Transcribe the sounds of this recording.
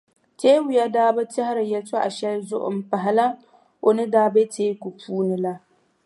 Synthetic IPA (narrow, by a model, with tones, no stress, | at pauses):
teː˦wʊ˨ja˦daː˦ba˦tɪ˦ha˦ɾa˨jɐ˨t͡ʃo˦ʔa̰˨ʃa˦zʊ̰˦ʔʊ̰˦mpa˨ɦa˨la˦ | wo˨nɪ˦daː˦be˦tʰeː˦kʷu˨pʰuː˦nɪ˨la˦